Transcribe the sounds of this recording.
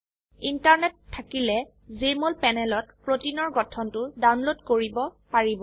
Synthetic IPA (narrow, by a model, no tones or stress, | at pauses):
intaɹnɛtʰːakilɛ | zemolpɛnɛlɔtpɹotinɔɹɡɔtʰɔntʊdawnlodkoɹibɔpaɹibɔ